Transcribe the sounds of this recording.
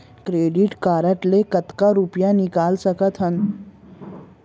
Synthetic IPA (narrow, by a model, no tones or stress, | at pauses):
kɾeːɖɪʈkaːɾəʈlekɐt̪kaɾupjanɪkaːlsəkət̪ʰɦən